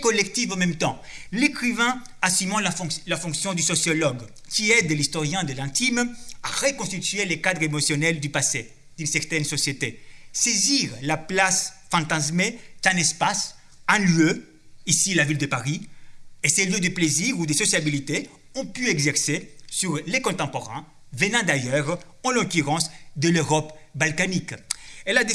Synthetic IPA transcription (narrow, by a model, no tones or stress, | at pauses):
kɔlɛkt̪ivɑ̃mɛ̃mt̪ɑ̃ | lekχivɛ̃ | asymɑ̃lãlafɔ̃ŋksjɔ̃d̪ysɔsjɔlɔɡ | kʲiɛd̪əlist̪ɔʁjɛ̃d̪əlɛ̃t̪imaʁekɔ̃st̪it̪ɥelekad̪ʁemɔsjɔnɛld̪ypase | d̪ynsɛʁt̪ɛnsɔsjet̪eseziʁlaplasfɑ̃t̪azmet̪ɛ̃nɛspas | ɛ̃ljø | isilavild̪əpaʁieseljød̪əpleziʁud̪əsɔsjabilit̪e | ɔ̃pyɛɡzɛʁsesyʁlekɔ̃t̪ɑ̃pɔʁɛ̃ | vənɑ̃d̪ajœʁ | ɑ̃lɔ̃kyʁɑ̃sd̪əløʁɔpbalkanikɛlad̪e